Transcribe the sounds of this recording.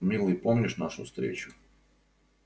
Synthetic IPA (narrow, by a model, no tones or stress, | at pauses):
milipomiɾeʃnaʃṵst̪ɾḛːt͡ɕu̥